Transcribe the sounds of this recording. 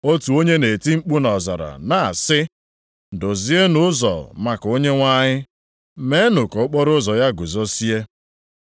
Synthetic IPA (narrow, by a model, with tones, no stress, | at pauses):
o˦tu˨o˦ɲe˦ne˨ti˦ŋ͡m̩˦k͡pu˦nɔ˨za̰˨ɾa̰˨na˨a˨sɪ˦˨ | dʊ˨zi˦e˦nʊ˦zɔ̰˨ma˨ko˦ɲe˦ŋʷa˦ɲɪ˦ | me˦nʊ˨kɔ˨ʊ˦k͡pɔ˦ɾʊ˦zɔ˨ja˦ɡʊ˨zɔ˦si˦e˦